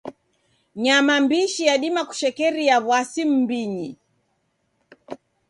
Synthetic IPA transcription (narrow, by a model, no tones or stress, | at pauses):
ɲamambiʃijaɗimaku̥ʃɛkɛɾijaβwasim̩biɲi